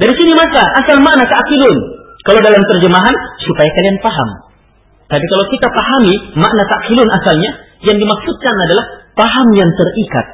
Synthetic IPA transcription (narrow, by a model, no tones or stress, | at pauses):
daɾisinimasaʔasalmaʔnat̪akilʊnkalawdalamt̪ərd͡ʒəmaɦansupajakalianpaɦa̰m | t̪apikalawkit̪apaɦamimaʔnat̪aʔkilʊnasalɲa | jaŋdimaksut̪̚kanadalahpaɦamjaŋt̪ərika̰t̪̚